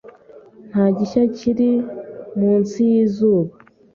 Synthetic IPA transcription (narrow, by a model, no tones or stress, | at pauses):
n̥haːɟiʃaciɾimuːnsijiːzuːβa